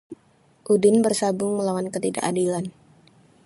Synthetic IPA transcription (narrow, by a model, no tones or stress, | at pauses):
ʔudɪnbərsabʊŋməlawankət̪ida̰ʔadilan